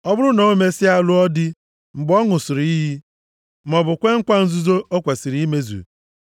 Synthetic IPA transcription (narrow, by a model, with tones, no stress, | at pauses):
ɔ˦bʊ˦ɾʊ˦no˨˦me˦sɪ˦a˦lʊ˦ɔ˦dɪ˦ | ŋ͡m̩˨ɡ͡bɔ˦ŋʊ˨sʊ˨ɾi˦ɦi˦ | m̩˨ɔ˨bʊ˨kʷe˦ŋ̩˦kʷa˦n̩˦zu˦zo˦ʔo˦kʷe˨si˨ɾi˦me˦zṵ˨